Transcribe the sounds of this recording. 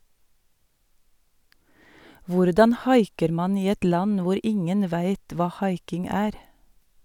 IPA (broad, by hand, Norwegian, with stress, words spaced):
ˈʋʊɾdɑn ˈhɑɪkəɾ ˈmɑːn ˈiː ˈɛt ˈlɑn ˈʋʊɾ ˈɪŋən ˈʋæɪt ˈʋɑː ˈhɑɪkɪŋ ˈæːɾ